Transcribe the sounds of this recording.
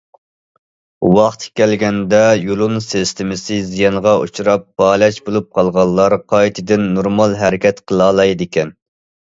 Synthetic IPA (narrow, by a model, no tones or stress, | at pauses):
wɑχt̪ʲkʲɛlɡʲɛnd̪ɛjulˠunsɪst̪ʰɪmɪsɪzijɑɴʁɑʔṵt͡ʃʰuɾɑp̚b̥ɑːlɛt͡ʃbolˠup̚qʰɑlˠʁɑlˠːɑɾqʰɑjt̪ʰɨd̪ɪnːoɾmɑlˠɦæɾɪkʲɛt̪qʰəlˠɑːlˠɑjd̪ɪkʲʰɛn